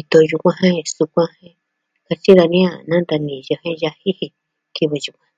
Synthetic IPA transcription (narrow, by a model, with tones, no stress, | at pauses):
i˧t̪o˧ju˧kʷã˧ɦẽ˦˧su˧kʷã˧hẽ˦ | ka˧t͡ʃi˦ða˧nĩ˦a˧nã˦nd̪a˧nĩ˨ja˧hẽ˦ja˧hi˦hi˧ | ki˧βɨ˧ju˧kʷã˧